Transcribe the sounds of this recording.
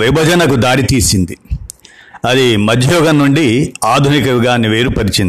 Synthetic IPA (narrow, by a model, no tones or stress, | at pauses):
ʋibʱɐd͡ʒɐnɐkud̪aːɽit̪iːsind̪i | ɐd̪imɐd͡ʒ̪ʱɐjɔːɡɐnːuɳɖiaːd̪ʱunikɐɡaːniʋeːɾupɐɾit͡ʃind̪